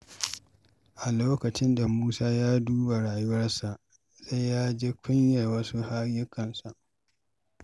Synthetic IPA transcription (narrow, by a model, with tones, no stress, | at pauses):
ʔa˨loː˦kɐ˨t͡ʃɪ˦nda˨muː˦saː˦jaː˦duː˦ba˨ɽaː˨jʊ˦wɐ˦rsa˨ʔ | za˦jːaː˦d͡ʒe˦kʷʰʊ˦ɲjɐ˨rwɐ˦su˦ha˦jʊ˦kʰɐ˨nsa˨ʔ